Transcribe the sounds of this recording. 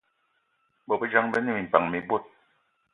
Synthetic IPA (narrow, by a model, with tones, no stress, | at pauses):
bɔ˨bə˦d͡ʒa˦ŋbə˦ni˦˨mi˨m̩˨pa˨ŋmi˨bo˦˨t̚